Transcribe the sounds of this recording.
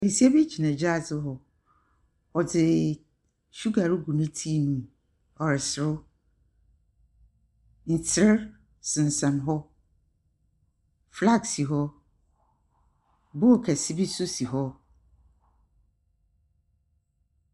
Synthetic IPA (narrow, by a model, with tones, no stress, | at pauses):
hi˨si˦a˦bi˦t͡ɕʰi˨nã˨d͡ʑa˦˨sɪ˦ɦɔ˨ | ɔ˨dɪ˨ | ɕu˦ɡa˨ɾu˦ɡu˨nũ˦tʰi˦nũ˨ | ɔ˨ɾɪ˨sɪ˨ɾʊ˦ | n̩˨tʰɪ˦ɾ | sɪ̃˨n˨sã˨nɦɔ˦ | fla˦˨ksi˨ɦɔ˦ | bʊ˦ɔ˨kʰɛ˨sɪ˦bi˦su˦si˨ɦɔ˦